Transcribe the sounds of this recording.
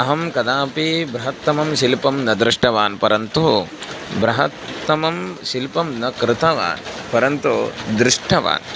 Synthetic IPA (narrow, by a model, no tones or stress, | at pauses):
ɐɦɐmkɐd̪aːpibɾɐɦɐt̪ːɐmɐmʃilpɐmnɐd̪ɾɪʂʈɐʋaːnpɐɾɐnt̪u | bɾɐɦɐt̪ːɐmɐmʃilpɐmnɐkɾɪt̪ɐʋa̰ːnpɐɾɐnt̪ud̪ɾɪʂʈʰɐʋa̰ːn